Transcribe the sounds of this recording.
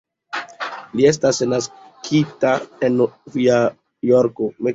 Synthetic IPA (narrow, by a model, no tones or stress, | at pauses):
lie̞s̬tasnas | kʰitaenvia | joɾkome